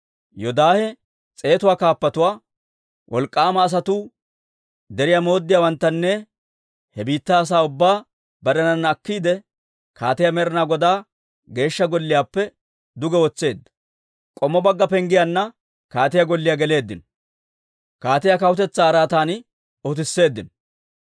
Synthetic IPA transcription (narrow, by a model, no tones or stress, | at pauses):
jɔd̪aːhɛ | t͡sʼe̞ːt̪ʊwaːkaːpːɐt̪ʊwaː | wʔɔ̰lkʼːaːmɐːs̬ɐt̪u | d̪ɛɾɪjamo̞ːd̪ːɪjaːwɐnt̪ːɐnːɛ | hɛbiːt̪ːaːs̬aːʊbːaː | bɐd̪ɐnɐnːɐkːiːd̪ɛ | kʰa̰ːt̪ɪjamɛɾɪnaːɡɔd̪aː | ɡe̞ːʃːɐɡɔlːɪjaːpːɛ | d̪ʊɡɛwɔt͡sːe̞ːd̪ːɐ̥ | kʼɔmːɔbɐɡːɐpɛŋɡɪjanːɐ | kaːt̪ɪjaɡɔlːɪjaɡɛle̞ːd̪ːɪnɔ | kaːt̪ɪjakɐwʊt̪ɛt͡sːaːɾaːt̪aːn | ɔt̪̬ɪsːe̞ːd̪ːɪnɔ